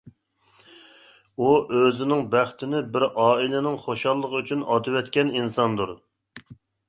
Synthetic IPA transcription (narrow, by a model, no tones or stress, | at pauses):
uʔøzɪnɪŋbæχt̪ʰɪnɪbɪɾɑːilɪnɪŋχoʃɑlˠːəʁəyt͡ʃʰynɑd̪ɨwɛt̪kʲɛninsɑnd̪uɾ